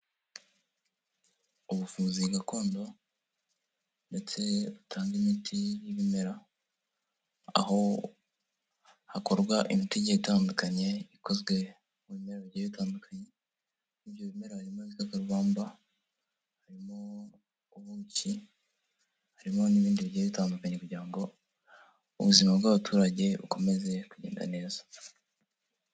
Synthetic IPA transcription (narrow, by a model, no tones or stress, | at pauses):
uβufuːnziɡako̞ːndo̞ | nde̞t͡se̞βutʰaːŋɡimitʰijiβime̞ɾa | a̰ɦo̞ | hako̞ɾɡwaʔimitiɟeitaːndukaɲe̞iko̞zɡwe̞ | muβime̞ɾaβɟaitaːndukʰaɲe̞ | niβjo̞βime̞ɾahaɾimozikakaɾuβaːmba | haɾimo̞ | uβuːɲci | haɾimo̞niβiːndiβiɟajβitaːndukaɲe̞kuɟiɾaŋɡo̞ | ṵβuzimabɡwaβatʰuːɾaɟe̞βṵko̞me̞ze̞kuɟe̞ːnda̰ne̞ːzḁ